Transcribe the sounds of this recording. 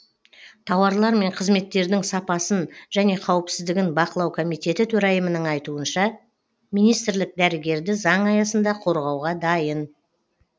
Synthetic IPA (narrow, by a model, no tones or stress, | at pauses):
t̪ʰɑwɑɾlˠɑɾme̞ɴqʰəzme̞t̪ːe̞ɾd̪ɪŋsɑpɑsənʒ̥æne̞qʰɑwəpsɪzd̪ɪɡʲɪnbɑqəlˠɑwkʰo̞mijt̪ʲe̞t̪ɪt̪ʰɵɾɑjəmənəɴɑjt̪uənʃɑ | mijnijst̪ɪɾlɪk̚d̪æɾɪɡʲe̞ɾd̪ɪzɑɴɑjɑsənd̪ɑqʰo̞ɾʁɑwʁɑd̪ɑjən